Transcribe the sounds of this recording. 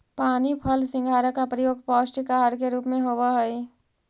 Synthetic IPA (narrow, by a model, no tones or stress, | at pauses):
paːnipʰəlsɪ̃ŋɡʱaːɾəkapɾəjoːɡpɔːsʈikaɦəɽkeɾuːpmẽɦoːwaɦəi